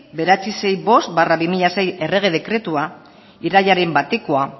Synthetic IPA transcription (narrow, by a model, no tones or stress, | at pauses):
be̞ɾat͡sise̞jbo̞st̪baraβimiʎase̞je̞re̞ɣ̞e̞ð̞e̞kɾe̞t̪ua | iɾaʎaɾe̞mbat̪ekoa